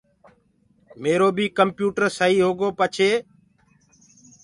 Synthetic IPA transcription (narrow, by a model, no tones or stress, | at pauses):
meːɾoːbiːkəmpjuːʈəɾsəɦiːɦoːɡoːpət͡ʃʰeː